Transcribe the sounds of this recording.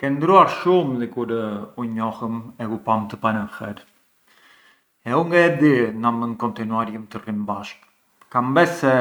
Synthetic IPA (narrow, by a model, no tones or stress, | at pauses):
kɛnd̪ɾuaɾʃumðikuɾuɲɔhəmɛupamt̪əpanəxɛɾ | ɛuŋɡaɛd̪inamənkɔnt̪inuaɾjəmt̪ərimbaʃk | kambɛsɛ